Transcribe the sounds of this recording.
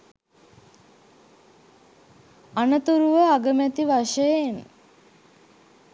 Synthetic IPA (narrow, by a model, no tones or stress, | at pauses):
anət̪uɾuʋəaɡəmæt̪iʋaʂəjen